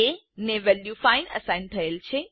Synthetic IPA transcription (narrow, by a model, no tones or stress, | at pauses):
e | neʋɛljufaɪnə̰sãɪnt̪ʰɐelt͡ʃʰe